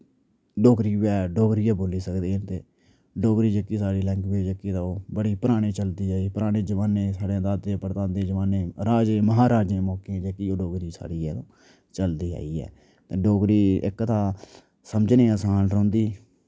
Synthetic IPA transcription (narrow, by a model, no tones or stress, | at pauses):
ɖoːkɾiːʋɛːɖoːɡɾiːaːboːliːsəkd̪eːənt̪eː | ɖoːɡɾiːd͡ʒəkːiːsaːɽiːlɛ̃ːŋkbeːd͡ʒəkːiːt̪ãːoːbəɽiːpəɾaːɽ̃eːt͡ʃəld̪iːaːiːpəɾaːɽ̃ẽːd͡ʒəʋaːnẽːsaːɽẽːd̪aːd̪ẽːpəɾt̪ãːnd̪eːd͡ʒəʋaːneːɾaːd͡ʒẽːməɦaːɾaːd͡ʒẽːmɔːkẽd͡ʒekiːoːɖoːɡɾiːsa̰ːɽiːɛːlõː | t͡ʃəld̪iːa̰ːiːɛ̰ː | t̪eːɖoːɡɾiːɪ̰kt̪ãː | səməd͡ʒnẽːəsaːnɾõːnd̪iː